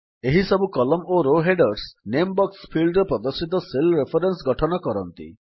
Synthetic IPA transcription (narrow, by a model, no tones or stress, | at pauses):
eɦisɔbukɔlɔmoɾoɦeɖɔɾsnembɔkspʰilɖɾɔpɾɔd̪ɔsit̪ɔselɾepʰɔɾensɡɔʈʰɔnɔkɔɾɔnt̪ḭ